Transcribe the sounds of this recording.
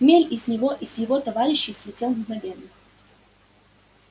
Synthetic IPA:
mʲelʲɪsʲnʲɪvoʔisʲjɪvot̪ɐvaɾʲɪɕːɪsʲlʲɪtʲelˠnɡnɐvʲenːɨx

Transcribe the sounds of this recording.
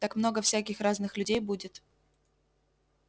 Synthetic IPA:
t̪akmno̞ɡəfsʲækʲɪxraznɨxlʲʉdʲejbudʲɪt̪

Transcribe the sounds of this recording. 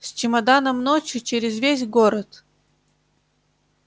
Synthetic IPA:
sʲt͡ɕɪmɐd̪anəmnot͡ɕjʊt͡ɕeɾʲɪzvʲesʲɡoɾət̪

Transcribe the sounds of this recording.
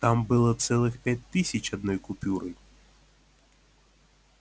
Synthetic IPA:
t̪ɑmbɪlˠɔt̪sɛlˠɪxpʲjat̚ʲt̪ɪsʲɐt͡ʃɐd̪nɔjkʊpʲuɾɪj

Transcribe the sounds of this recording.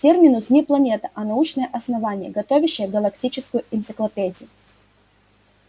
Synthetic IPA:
tʲermʲɪnʊsʲnʲiplˠɐnʲet̪əʔɐnɐut͡ɕnəjəʔɐsnɐvanʲɪjə̰ɡɐt̪ovʲɪɕːɪjəvɡɐlˠɐktʲit͡ɕɪskʊjʊʔɪnt̪sɨklˠɐpʲedʲɪjʊ

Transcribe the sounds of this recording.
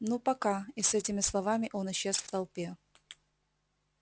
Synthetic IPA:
nupɐkaɪsɛtʲɪmʲɪslˠɐvamʲɪʔo̞nɪɕːe̞sft̪ɐlˠpʲe

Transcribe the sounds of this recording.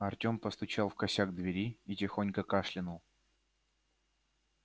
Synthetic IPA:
ɐrtʲo̞mpəst̪ʊt͡ɕalˠfkɐsʲaɡ̚d̪vʲɪɾʲiitʲɪxonʲkəkaʂlʲɪnʊlˠ

